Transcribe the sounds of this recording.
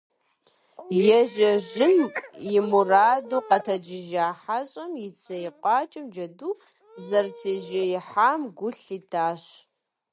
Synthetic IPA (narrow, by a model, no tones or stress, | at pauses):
jɛʒɐʒɪmjɪmuraːduːqɐtʰɐd͡ʒɪʒaːħaɕʼɐmjɪt͡sʰɐjɪqʷʼɑːt͡ʃʼɪmd͡ʒɐduː | zɐrt͡sʰeːʒɐjɪħaːmɡʷʊɬiːtʰaːɕ